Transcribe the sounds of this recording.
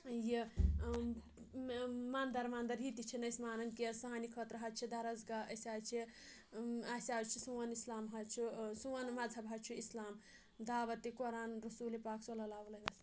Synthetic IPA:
ji | maːnd̪ɐɾmaːnd̪ɐɾɦit̪it͡ʃʰinɐsmaːnɐnkesɐɦanikʰɐt̪ɾɐɦɐt͡ʃʰid̪ɐɾɐzɡaʔɐsʲaːt͡ʃʰi | asʲaːt͡ʃʰisuwɐnislaːmɦɐt͡ʃʰusuwɐnmɐd͡zʱɐbʱɦɐt͡ʃʰuislaːm | d̪aːʋɐt̪ːikoɾaːnɾusuːlipaːksolɐlaːʋlɐɐs

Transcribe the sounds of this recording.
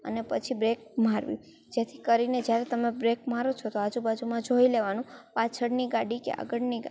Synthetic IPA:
ə̰nepət͡ʃʰibɾek̚m̤aɾʋḭ̃ | d͡ʒet̪ʰikəɾined͡ʒjaɾet̪əmebɾekmaɾot͡ʃʰot̪oad͡ʒubad͡ʒumãd͡ʒoileʋanũpat͡ʃʰəɽniɡaɽikḛa̰ɡəɽniɡ

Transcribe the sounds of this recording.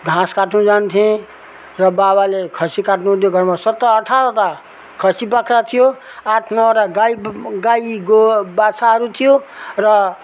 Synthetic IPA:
ɡʱãskaʈʰnũd͡zant̪ʰiẽ | rʌbabalekʰʌsikaʈʰnũd̪joɡʌɾmasʌt̪ːʌːʈʰaɾɔt̪a | kʰʌsipʌkʰɾat̪ʰijo | aʈʰnʌwɾaɡaiɡaiɡobasʰaɦʌɾut̪ʰijorʌ

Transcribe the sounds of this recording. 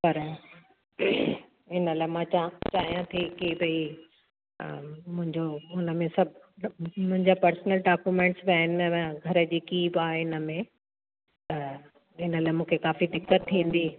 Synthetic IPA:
pɐɾ | ɪnəlaːɪmãːt͡ɕat͡ɕaːɦijãt̪ʰikeːbɐi | mʊ̃ɦɪ̃ɲd͡ʑoʊnə̆mẽsɐbʱ | mʊ̃ɦɪ̃ɲd͡ʑapɐɾsnəlɖaːkjumẽːɳʈsbaːɪnɡʱɐɾə̆d͡ʑiːkiːbaːɦeɪnəmẽ | t̪ɐ | ɪnəlaːɪmũːkʰekaːfid̪ɪkːət̪ʰːĩːn̆d̪iː

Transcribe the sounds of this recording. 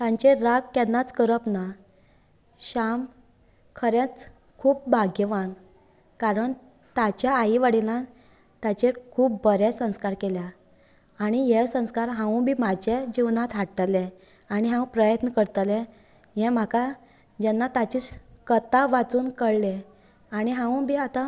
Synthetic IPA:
t̪ãɲt͡ɕeɾaɡkɛnːat͡skəɾəpna | ɕam | kʰəɾẽt͡s | kʰuːp̚bʱaɡəʋan | kaɾəɳ | t̪at͡ɕjaːiʋaɽila | t̪at͡ɕekʰuːp̚bəɾesə̃w̃skaɾkelja | aɽ̃ijesə̃w̃skaɾɦãwũbʱiːmad͡ʑed͡ʑiwnat̪ʰaʈəlẽ | aɽ̃iɦãw̃pɾəjət̪nəkəɾt̪alɛ̃ | jɛ̃m̤aka | d͡ʑɛnːat̪at͡ɕikət̪aʋat͡suːnkəɽle | añiɦãwũbʱiːat̪a

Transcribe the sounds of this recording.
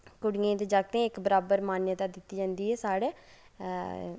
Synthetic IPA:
kʊɽiẽːt̪eːd͡ʒaːɡ̚t̪ẽɪkbəɾaːbəɾmaːnjət̪aːd̪ɪt̪ːiːd͡ʒãːnd̪iːɦɛːsaːɽeː

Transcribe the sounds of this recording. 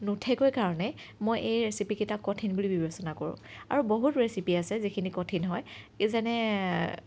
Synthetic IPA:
nutʰɛkojkaɹɔnɛ | mojʔejɹesipiketakːɔtʰinbulibibesɔnakoɹʊ̰̃a̰ɹuboɦutɹesipiasɛzikʰinikɔtʰinɦɔjezanɛ

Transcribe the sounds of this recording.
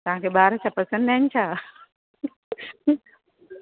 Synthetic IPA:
t̪ɐʋ̤ɦãkʰebaːɾət͡ʃʰapɐsə̃nd̪ant͡ɕʰaː

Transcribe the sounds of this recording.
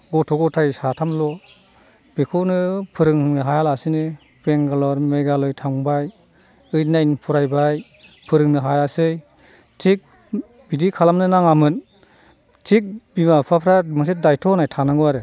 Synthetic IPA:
ɡɔtʰɔɡɔtʰajsatʰamlɔ | b̥ekʰɔnɯpʰɯɾɯŋnɯɦajalasini | peŋɡalɔɾmeɡalɔjtʰaŋbaj | ɯjnajnpʰɔɾajbaj | pʰɯɾɯŋnɯɦajasɯj | tʰik̚ | bidikʰalamnɯnaŋamɯn | tʰik̚bimapʰapʰɾamɯs̬et̚dajtʰɔnajtʰanaŋɯaɾɯ

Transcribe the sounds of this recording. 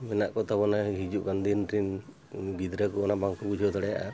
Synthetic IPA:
mɛnaʔkɔt̪abɔnaɦid͡ʒuʔkand̪inʈɾin | ɡid̪ɾakɔɔnabaŋkubud͡ʒʱɔt̪ɔɽɛjaʔa

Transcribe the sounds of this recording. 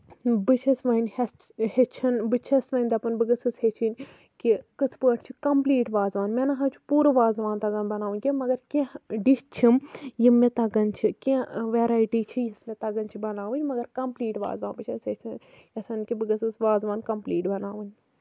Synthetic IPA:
bɨt͡ʃʰɐsʋɐnʲe | het͡ʃʰɐnbɨt͡ʃʰɐsʋɐnʲd̪ɐpɐnbɨɡɐsɨshet͡ʃʰinʲ | kikɨt͡sʰpəːʈʰt͡ʃʰikɐmpliːʈʋaːzʋaːnmʲenɐɦɐt͡ʃʰu̥puːɾɨʋaːzʋaːnt̪ɐɡɐnbɐnaːʋunʲkʲemɐɡɐɾkeɖit͡ʃʰimjimet̪ɐɡɐnt͡ʃʰikẽʋeːɾaːjiʈiːt͡ʃʰijismet̪ɐɡɐnʲt͡ʃʰibɐnaːʋɨnʲmɐɡɐɾkɐmpliːʈʋa̰ːzʋaːnbɨt͡ʃʰɐset͡ʃʰin | ɐsɐnkibɨɡɐsɨsʋaːzʋaːnkɐmpliːʈbɐnaːʋɨnʲ

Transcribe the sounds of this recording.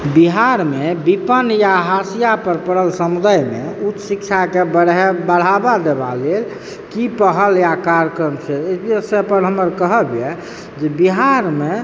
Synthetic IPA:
biɦaɾmebipənjaɦasijapəɾpəɽəlsəmud̪ajmḛut̪ːsikt͡ʃʰakebəɽɦebəɽ̤abad̪eba̰lel | kipəɦəljakaɾəkɾəmt͡ʃʰɛesepənɦəməɾkəɦəbjɛ | d͡ʒebiɦaɾme

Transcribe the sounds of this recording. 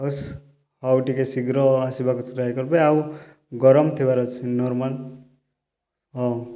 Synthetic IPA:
ɔs | awʈikesiɡɾɔasibakut͡sʰɾajkɔɾbɔjawu | ɡɔɾɔmt̪ʰibaɾɔt͡sʰnɔɾmal | ɔ

